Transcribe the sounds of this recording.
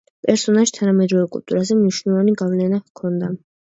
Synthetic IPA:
pʼɛɾsɔnaʃi̥t̪ʰanamɛd̪ɾɔvɛkʼṵlˠt̪ʼṵɾazɛmniʃnɛlˠɔvaniɡavlɛnakʰɔnd̪a

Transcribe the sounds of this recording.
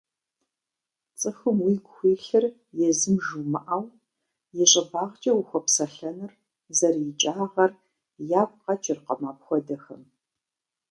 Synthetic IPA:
t͡sʼɨxɨmwiːɡʷxʷiːɬɨr | jɛzɨmʒuːmɐʔaːw | jɛɕʼɐbaːʁt͡ʃʼɐwʊxʷɔpsɐɬɐnɨr | zɐrjɪt͡ʃʼaːʁɐr | jaːp̚ʷʼqɐt͡ʃʼɪrqɐmaːpxʷɔdɐxɐ̰m

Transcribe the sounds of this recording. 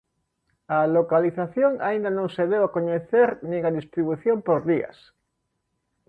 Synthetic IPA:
alokaliθaθjõŋa̰ĩnd̪anõŋseðewakoɲeθeɾnĩŋaðist̪ɾiβuθjõmpoɾðia̰s

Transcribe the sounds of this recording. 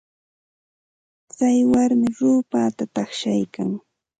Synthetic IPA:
t͡sajwaɾmɪɾʊːpaːt̪at̪ɑχʃajkaŋ

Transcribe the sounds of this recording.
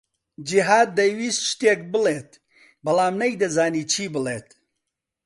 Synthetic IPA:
d͡ʒiɦaːd̪ːɐjwiːsʃt̪eːk̚bɨleːt̪̚ | bɐlaːmnɐjd̪ɐzaːniːt͡ʃʰiːbɨleːt̪

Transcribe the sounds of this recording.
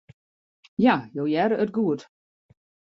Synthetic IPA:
jajowjɛɾəət̚ɡuət

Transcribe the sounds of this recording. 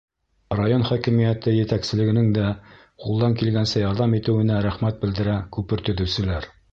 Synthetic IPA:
rajonχɒkĭmijæt̪ɘjɘ̆t̪æksɘ̆lɘ̆ɡɘ̆nɘŋd̪æ | qulˠd̪ɑŋkilɡænsɘjɑɾðɑmit̪ɘ̆wɘ̆næɾæχmæt̪̚bɘ̆ld̪ɘ̆ɾækʉpɘɾt̪ɵ̆ðɘ̆wsɘ̆læɾ

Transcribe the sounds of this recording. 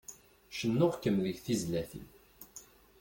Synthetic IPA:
ʃənːʊʁkːəmðəʝθizlæθḭn

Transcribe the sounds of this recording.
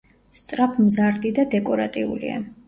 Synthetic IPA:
st̪sʼɾapʰmzaɾd̪id̪ad̪ɛkʼɔɾat̪ʼiṵlḭa̰

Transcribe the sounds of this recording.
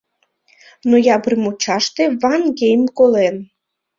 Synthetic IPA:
nojɑbɾɨmut͡ɕɑʃt̪evɑnɡejmkolen

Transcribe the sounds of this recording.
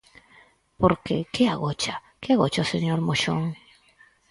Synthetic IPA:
poɾkḛkeaɣot͡ʃa | keaɣot͡ʃaoseɲoɾmoʃoŋ

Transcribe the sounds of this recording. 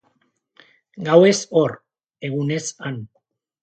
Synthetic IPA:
ɡawe̞soɾ | e̞ɣune̞san

